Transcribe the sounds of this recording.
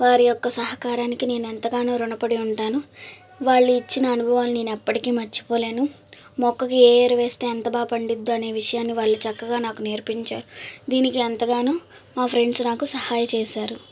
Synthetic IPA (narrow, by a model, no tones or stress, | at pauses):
ʋaːɾijɔkːɐsɐɦɐkaːɾaːnikine̞ːnent̪ɐɡaːnuːɾunɐpɐɽiuɳʈaːnu | ʋaːɭːuit͡ʃːinɐːnubʱɐʋaːnine̞ːnuɛpːɐʈikiːmɐt͡ʃːi̥po̞ːle̞ːnu | mɔkːɐkieːɾɐʋeːst̪e̞ːɐnt̪ɐbaːpɐɳɖid̪ːuɐne̞ːʋiʂɐjaːnːiʋaːɭːut͡ʃɐkːɐɡaːnaːkune̞ːɾpiɲt͡ʃaːɾud̪iːnikiɐnt̪ɐɡaːnuː | maːpʰɾe̞ɳɖsnaːkusɐhaːjɐt͡ʃeːʃaːɾu